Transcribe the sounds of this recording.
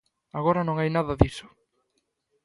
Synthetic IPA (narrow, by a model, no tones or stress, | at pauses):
aɣoɾɐnõŋajnaðɐðisʊ̥